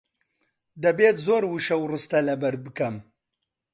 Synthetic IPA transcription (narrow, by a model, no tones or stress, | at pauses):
d̪ɐbeːt̪zoːɾwuʃɐwrɨst̪ɐlɐbɐɾbɨkɐm